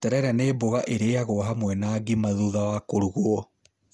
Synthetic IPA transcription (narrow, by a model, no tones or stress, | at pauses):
tɛɾɛɾaneːboɣaʔeɾeaɣoɔɦamwɛnaːɡimaðuðawakoɾuɣuɔ